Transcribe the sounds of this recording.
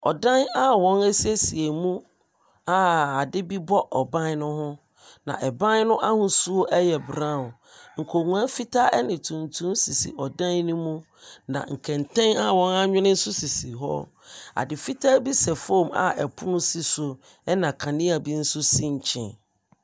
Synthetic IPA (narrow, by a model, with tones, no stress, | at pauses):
ɔ̰˨dã˦na˦wɔ̃˦nɛ˦si˦e˦si˨e˨mũ˦ | a˦a˨dɪ˦bi˦bɔ˦ʔɔ˨bã˦n˦nʊ̃˦hʊ̃˦ | nã̰˨ʔɛ˨bã˦nnʊ̃˦ʔa˦hʊ̃˦su˦o˦ʔɛ˦jɛ˨bɾã˦˨ | ŋ̩˨kʰo˨ŋũ˨a˦fi˦tʰa˦ʔɛ˦nɪ̃˨tʰũ˨ntʰũ˦msi˨sḭ˨ɔ˨dã˦nnũ˦mũ˦ | nã̰˨ŋ̩˨kʰɛ̃˨ntʰɛ̃˦na˦wɔ̃˦na˦ɲᶣɪ̃˦nɪ̃˦n̩˦sʊ˦si˨si˨ɦɔ̰˦ | a̰˨dɪ˨fi˦tʰa˦bi˦sɛ˨foː˦˨ma̰˨ɛ˨pʰʊ˦nʊ̃˦si˦sʊ˨ | ɛ˦nã˨kʰã˨nĩ˦a˨bi˦n̩˦sʊ˦sĩ˦ɲ˨t͡ɕʰɪ̰̃˨n